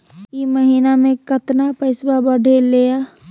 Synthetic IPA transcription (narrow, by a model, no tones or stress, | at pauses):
iməɦiːnamẽkət̪napəɪsbabəɖʱeleːja